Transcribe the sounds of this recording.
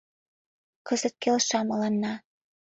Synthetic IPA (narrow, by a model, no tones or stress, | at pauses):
kɤ̆zə̆t̪̚kelʃɑmɤ̆lɑnːɑ